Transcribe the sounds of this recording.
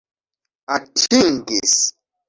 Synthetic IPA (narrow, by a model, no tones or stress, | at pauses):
atʰiŋɡis